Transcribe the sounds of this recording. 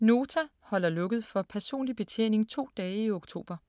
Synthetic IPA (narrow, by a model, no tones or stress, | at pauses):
no̝ːt͡sʰæ | hɒ̽l̰ɐlɔ̽ɡ̥əð̩ˠfɒ̽pʰæɐso̝̰ːnlib̥e̝t͡sʰjḛːne̝ŋt͡sʰo̝̰ːd̥ɛːioɡ̥t͡sʰo̝̰ːb̥ɐ